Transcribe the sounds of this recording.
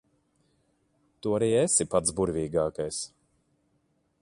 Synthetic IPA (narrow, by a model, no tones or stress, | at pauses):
t̪uaɾiːesipat̪zbuɾvʲiːɡaːkajs